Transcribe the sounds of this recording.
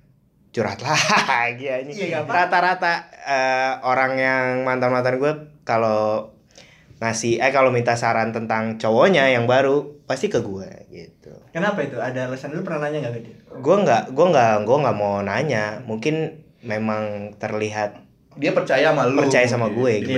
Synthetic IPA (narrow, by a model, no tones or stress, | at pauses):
t͡ʃuɾa̰t̪laɡiaɲijɾat̪aɾat̪aəoɾaŋjaŋmant̪amant̪anɡuakalo | ŋasɪhajkalomint̪asaɾant̪ənt̪aŋt͡ʃowoɲajaŋbaɾupast̪ikəɡuɛ̰ɡḭt̪ukənapait̪uadaləsandulupərnahnaɲaŋɡaɡadiɡuɛŋɡaʔɡuɛŋɡaʔɡuaŋɡaʔmonaɲamuŋkɪn | memaŋt̪ərliɦat̪̚ | diapərt͡ʃajamalpərt͡ʃajasamaɡuɛɡi